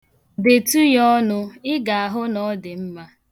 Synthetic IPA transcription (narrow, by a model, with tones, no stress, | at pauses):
de˨tu˦jɔ˦nʊ˦ɪ˦ɡa˨a˨ɦʊ˦nɔ˦dɪ˨m̩˦ma˦